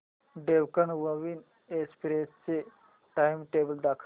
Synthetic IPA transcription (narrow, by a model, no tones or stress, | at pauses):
ɖewkənʋəʋiːn | espɾest͡se | ʈajmʈebəld̪akʰ